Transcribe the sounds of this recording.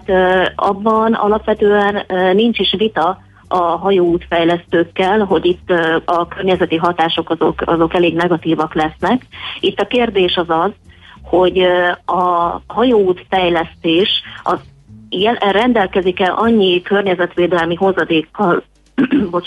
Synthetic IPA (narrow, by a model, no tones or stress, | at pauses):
t̪ɒ̰bːɒnɒ̰lɒpʋɛt̪øːɛnːint͡ʃiʃʋit̪ɒ | ɒɦɒjoːuːt̪fɛjlɛst̪øːkːɛlɦo̞ɟit̪ːɒkørɲɛzɛt̪iɦɒt̪aːʃo̞kɒzokɒzo̞kɛleːɡnɛɡɒt̪iːvɒklɛsnɛkit̪ːɒkeːrd̪eːʃɒzɒzho̞ɟɒɦɒjoːuːt̪fɛjlɛst̪eːʃɒz | jɛrɛnd̪ɛlkɛzikɛlʔɒɲːikø̞rɲɛzɛt̪ʋeːd̪ɛlmiɦo̞zɒd̪eːkːɒl | bot͡ʃ